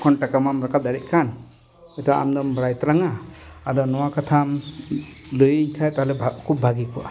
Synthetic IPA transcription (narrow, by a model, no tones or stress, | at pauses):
kʰɔnʈakamamɾakat̪̚d̪aɾɛʔ̚kan | ɛt̪ɔwaa̰md̪ɔmbɾajt̪ɾaŋaːd̪ɔnɔwakat̪ʰam | lujiɲkʰajt̪alɛakup̚bʱaɡikɔʔa̰